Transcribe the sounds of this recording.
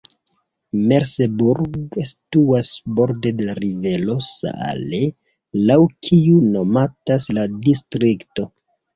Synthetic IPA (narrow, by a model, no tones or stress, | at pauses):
meɾsebuɾɡstuasbo̞ɾde̞de̞laɾive̞lo̞sa̰a̰le | lawkʰiuno̞matasladistɾikto̞